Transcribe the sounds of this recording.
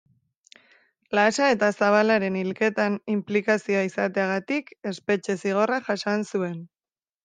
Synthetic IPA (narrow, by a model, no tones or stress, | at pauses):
lasae̞t̪asaβ̞alaɾe̞nilke̞t̪animplikasioaisat̪e̞aɣ̞at̪ike̞spe̞t͡ʃe̞siɣ̞o̞raʝasansue̞n